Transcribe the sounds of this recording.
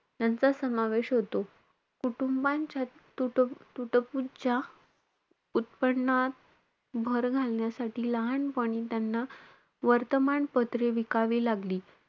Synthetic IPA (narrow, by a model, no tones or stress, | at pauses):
t̪jant͡sasəmaʋeɕɦot̪o | kuʈumbaɲt͡ɕja | ut̪uʈəpud͡ʑa | ut̪̚pəɳːat̪̚ | bʱəɾɡʱalɳjasaʈiːləɦaɳpəɽ̃it̪janːa | ʋəɾt̪əmaɳpət̪ɾeʋikaʋiːlaɡliː